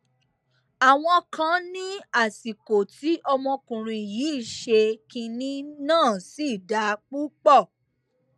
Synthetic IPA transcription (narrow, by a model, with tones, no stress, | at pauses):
a˨w̃ɔ̃˧kã˧nĩ˦a˦˨si˨ko˨ti˨˦ʔɔ˧mɔ̃˧kũ˨ɾ̃ĩ˧˨jiː˨˦˨ʃe˧kĩ˧nĩ˦nãː˦˨si˦˨da˧˦k͡pu˦k͡pɔ˦˨